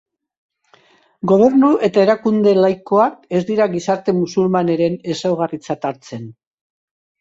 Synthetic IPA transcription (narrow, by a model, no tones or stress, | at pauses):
ɡo̞β̞e̞ɾnuʔe̞t̪ae̞ɾakund̪e̞lajko̞ake̞zd̪iɾaɣisaɾt̪e̞musulmane̞ɾe̞ne̞sawɣarit͡sat̪aɾt͡se̞n